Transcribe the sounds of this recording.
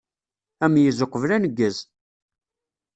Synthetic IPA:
æmjəzʊqːəvlænəɡːəz

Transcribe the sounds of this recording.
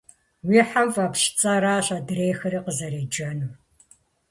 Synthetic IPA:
wiːħavapʃt͡sʼɐɾaːɕʼɐdrejxɨɾiːqəzɐɾeːd͡ʒɐnuː

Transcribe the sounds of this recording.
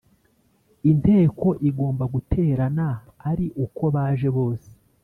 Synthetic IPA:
inte̞ːko̞ʔiɡo̞ːmbaɡutʰe̞ːɾanaː | ɾiʔuko̞βaːʒe̞βo̞ːse̥

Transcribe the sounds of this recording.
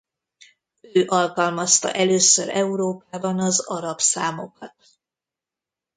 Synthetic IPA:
øːʔɒlkɒlmɒst̪ɒ̰ʔɛløːsøɾɛuɾoːpaːbɒnɒzɒɾɒpsaːmo̞kɒt̪̚

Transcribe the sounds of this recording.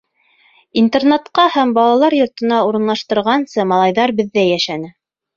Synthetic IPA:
int̪ernat̪qɑhæmbɑlˠɑlˠɑɾjŏɾt̪ɤ̆nɑuɾɤ̆nlˠɑʃt̪ɤ̆ɾʁɑnsɤmɑlˠɑjðɑɾbɘ̆ðːæjæʃænɘ

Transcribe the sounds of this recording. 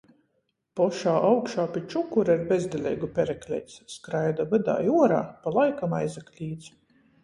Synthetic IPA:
pɔʃaːʔawkʃaːpʲit͡ʃukuɾaiɾbɛzd̪ʲɛlʲɛ̰jɡupʲɛɾɛklʲɛ̰jsskɾajd̪avɨd̪a̰ːjuɔɾa̰ːpalˠajkamajzaklʲiːt̪s

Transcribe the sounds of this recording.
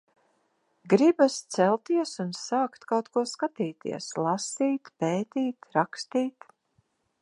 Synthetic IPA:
ɡɾibast̪sɛlˠt̪iɛsunsaːkt̪kawt̪kuɔskat̪iːt̪ḭɛ̰slˠasiːt̪peːt̪iːt̪ɾakst̪iːt̪

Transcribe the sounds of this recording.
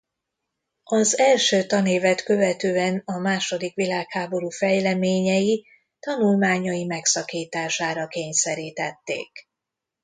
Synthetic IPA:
ɒzɛlʃøːt̪ɒneːvɛt̪kø̞vɛt̪øːɛnɒmaːʃo̞d̪ikʋilaːkhaːbo̞ɾuːfɛjlɛmeːɲɛji | t̪ɒnulmaːɲɒjimɛksɒkiːt̪aːʃaːɾɒkeːɲsɛɾiːt̪ɛt̪ːḛːk

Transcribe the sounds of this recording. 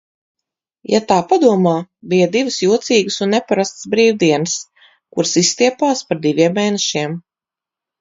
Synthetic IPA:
jat̪aːpad̪uɔmaːbijad̪ivɨsjuɔt̪siːɡɨsunːepaɾast̪sbɾiːwd̪iɛnɨs | kuɾsist̪iɛpaːspaɾd̪ivʲiɛmːeːnɛʃiɛm

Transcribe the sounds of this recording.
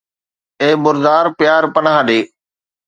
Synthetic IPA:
eːbʊɾd̪aːɾpjaːɾpənãːɗeː

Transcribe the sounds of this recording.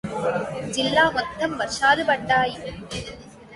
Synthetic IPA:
d͡ʒɪlːaːmɔd̪ʱːɐmʋɐɾʂaːðɯpɐʈːaːj

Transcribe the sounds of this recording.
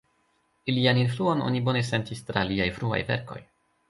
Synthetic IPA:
ilianinfluo̞no̞̰nibo̞ne̞se̞ntistɾaliajfɾua̰jve̞̰ɾko̞̰j

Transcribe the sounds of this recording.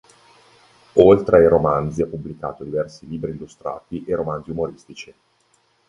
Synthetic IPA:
olt̪ɾeaiɾomanziapːublika̰ːt̪od̪ivɛrsiliːbɾiːlːust̪ɾa̰ːt̪iʔeɾomanziumoɾist̪it͡ʃi

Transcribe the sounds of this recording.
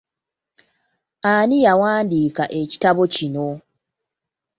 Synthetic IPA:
anijawaːndiːkaʔe̞ci̥taβo̞cino̞

